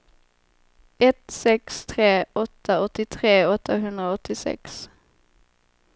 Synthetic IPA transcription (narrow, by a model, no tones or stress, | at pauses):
ʔɛt̪sɛkst̪ʰɾeːɔt̪ʰːaɔt̪ːɪt̪ʰɾeːɔt̪ʰːaɦʉnd̪ɾʁaɔt̪ʰːɪsɛ̰ks